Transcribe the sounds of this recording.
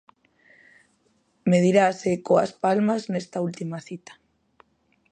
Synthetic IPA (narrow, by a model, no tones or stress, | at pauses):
með̞iɾasekoa̰spalmaznest̪ault̪imaθit̪ḁ